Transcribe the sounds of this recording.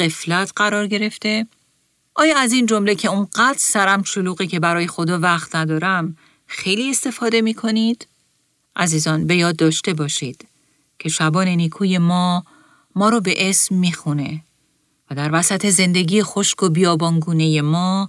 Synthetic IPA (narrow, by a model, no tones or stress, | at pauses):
ɢe̞flæt̪ʰɢ̥æɾɒːɾɟe̞ɾe̞ft̪e̞ | ʔɒːjɒːæzind͡ʒo̞mle̞cʰe̞uŋɢæd̪ɾsæɾæmʃoluːɣiːcʰe̞bæɾɒːje̞xo̞d̪ɒːvæxt̪næd̪ɒːɾæm | xe̞jlie̞st̪e̞fɒːd̪e̞miːkʰo̞nid̪̥ | ʔæziːzɒːnbe̞jɒːd̪ːɒːʃt̪e̞bɒːʃiːd̪̥ | cʰe̞ʃæbɒːne̞niːkʰuːje̞mɒː | mɒːɾɒbe̞ʔesmːiːxune̞ | væd̪æɾvæsæt̪ʰe̞ze̞nd̪e̞ɡiːjexo̞ʃko̞bijɒːbɒːnɡuːne̞je̞mɒː